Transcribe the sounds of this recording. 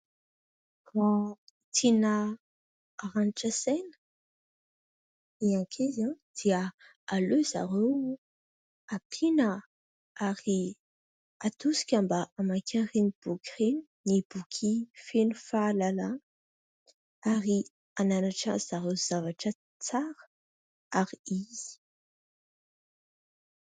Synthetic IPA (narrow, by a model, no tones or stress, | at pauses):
fat̪ʰinəː | ɾaniʈ͡ʂəsɛnə̥ | iãkʰezãd̪̥iə | aløza̰ɾew | apʰinə | aɾi | at̪usi̥kʲambaamakʰaɾinib̥ukʁin | nib̥ukʲʰifenufaːlala | aɾi | ananaʈ͡ʂə̰z̥aɾewz̥avaʈ͡ʂə | t͡saɾə̥ | aɾiiz̥i̥